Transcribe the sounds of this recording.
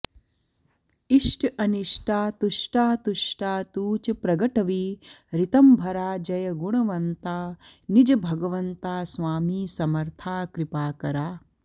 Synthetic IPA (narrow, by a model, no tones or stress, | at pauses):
iʂʈʰɐniʂʈaːt̪uʂʈaːt̪uʂʈaːt̪uːt͡ʃɐpɾɐɡɐʈɐʋiːɾɪt̪ɐmbʱɐɾaːd͡ʒɐjɐɡuɳɐʋɐnt̪aːnid͡ʒɐbʱɐɡɐʋɐnt̪aːsʋaːmiːsɐmɐɾt̪ʰaːkɾɪpaːkɐɾaː